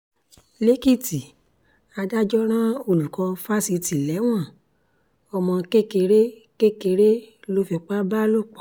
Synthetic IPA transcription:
le˦ki˦˨ti˨ | a˧da˦d͡ʒɔ˦ɾ̃ã˦o˦˨lu˨kã˨˧fa˦si˧ti˨lɛ˨˦w̃ɔ̃˦˨ | ɔ˧mɔ̃˧ke˦˨ke˧ɾe˦ | ke˦ke˧ɾe˦lo˦fi˧k͡pa˦ba˦lo˦˨k͡pa˨˦

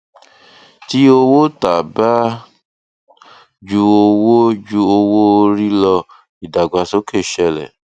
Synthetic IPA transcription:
ti˦o˧wo˦ta˨ba˦ | d͡ʒu˧o˧wo˦d͡ʒu˧o˧wo˦˧ɾi˦lɔ˧ | i˨da˨ɡ͡ba˨so˦ke˦˨ʃɛ˧lɛ̰˨

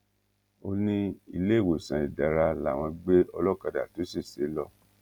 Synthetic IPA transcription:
o˦nĩ˦i˧le˦˨wo˨sã˨i˨da˨ɾa˧la˨w̃ɔ̃˧ɡ͡be˦ɔ˧lɔ˦ka˧˨da̰˨to˨˦si˦˨se˨˦lɔ˦˧

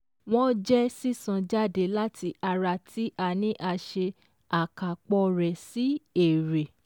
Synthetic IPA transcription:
w̃ɔ̃˦d͡ʒɛ˦si˦˨sã˧d͡ʒa˦˨de˧˨la˦tʰi˧ʔa˧ɾa˧˨tʰi˨˦ʔa˧nĩ˦ʔa˧ʃe˧ | a˨ka˨k͡pɔ˧ɾɛ˨si˨˦e˦˨ɾe˨

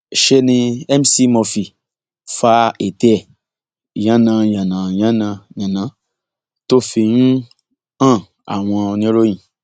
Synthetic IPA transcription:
ʃe˧nĩ˧ɛ˦m˦si˦mɔ̃˧fi˨ | fa˦e˨tɛ˦˨ | jã˨˦nã˧jã˨nã˨jã˦nã˧ɲã˨nã˨˦ | to˦˨fi˧ñ̩˦ | ã˦˨ | a̰˨w̃ɔ̃˧o˧nĩ˦o˦ɾõ˦ĩ˨

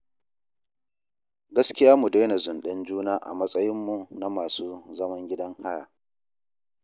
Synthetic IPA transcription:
ɡɐ˦skʲɪ˦jaː˦mu˨de˦jna˨zʊ˨nɗɐ˦nd͡ʒuː˦naː˦ʔa̰˨mɐ˦sʼɐ˦jɪ˦mːu˨na˦maː˨suː˦zɐ˦mɐ˦ŋɡʲɪ˦dɐ˦ŋha˦ja̰ː˨

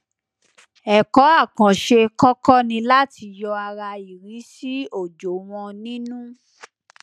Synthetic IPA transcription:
ɛ˨kɔ˨˦a˦˨kã˨ʃe˧kɔ˦kɔ˦nĩ˧la˦ti˧jɔ˧a˧ɾa˧i˨ɾi˨˦si˦o˦˨d͡ʒo˨w̃ɔ̃˧nĩ˦nũ˦

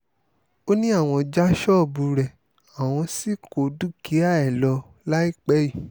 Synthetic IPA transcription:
o˦nĩ˦a˦˨w̃ɔ̃˧d͡ʒa˦ʃɔ˦˨bu˧ɾɛ˨ | a˨w̃ɔ̃˧si˦ko˨du˦ki˨˦a˦˨ɛ˨lɔ˧ | la˦i˦˨k͡pɛ˦ji˦˨

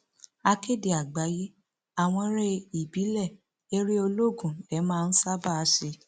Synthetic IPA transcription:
a˧ke˦˨de˨a˨ɡ͡ba˨˦je˦ | a˦˨w̃ɔ̃˧ɾɛ˧i˨bi˨˦lɛ˦˨ | e˦ɾe˦o˧lo˦ɡũ˦˨ɛ˨˦mãː˦˧n̩˦sa˦ba˦˧ʃe˧

